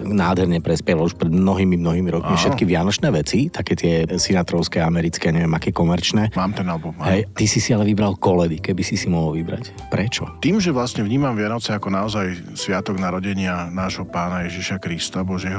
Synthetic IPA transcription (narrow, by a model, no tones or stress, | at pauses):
naːd̪ɦɛɾɲɛpɾɛspjɛʋaluʃpɾɛd̪mnɔɦiːmimnɔɦiːmiɾɔkmifʃɛkiʋɪanɔt͡ʃnɛːʋɛt͡sit̪akɛːt̪ɪɛsinat̪ɾɔʊskɛːamɛɾit͡skɛːaɲɛʋɪɛmakɛːkɔmɛɾt͡ʃnɛːmaːmt̪ɛnalbɔmːaɦɛɛjt̪isisialɛʋibɾalkɔlɛd̪ikɛbisisimɔɦɔlʋibɾa̰c | pɾɛt͡ʃɔt̪iːmʒɛʋlasɲɛvɲiːmamvɪanɔt͡sɛakɔnaɔzaj | sʋɪat̪ɔɡnaɾɔɟɛɲɪanaːʒɦɔpaːnajɛʒiʃakɾist̪abɔʒjɛɦ